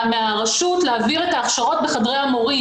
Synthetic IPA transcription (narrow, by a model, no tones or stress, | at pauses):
meaʁaʃutleaviʁetaːχʃaʁo̞t̚beχadʁejamoʁi